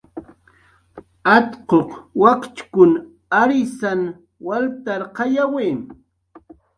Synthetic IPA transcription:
at̪qoqwakt͡ʃkʊn | aɾɪsan | walt̪aɾqɑjaweːm

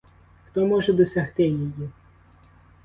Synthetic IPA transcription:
xt̪ɔmɔʒɛd̪ɔsʲɐxt̪ɪjeji

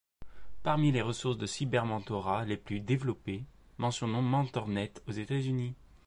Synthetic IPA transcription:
paʁmileʁəsuʁsd̪əsibɛʁmɑ̃t̪ɔʁaleplyd̪evlɔpe | mɑ̃sjɔ̃nɔ̃mɑ̃t̪ɔʁnɛt̪ozet̪azyni

